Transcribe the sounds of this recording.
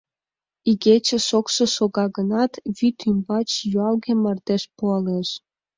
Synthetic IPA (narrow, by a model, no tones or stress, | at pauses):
iɣʲet͡ɕĕʃokʃɤ̆ʃoɣɑɣənɑt̪βyt̪ʰymbɑt͡ɕjuɑlɣemərd̪eʃpuɑleʃ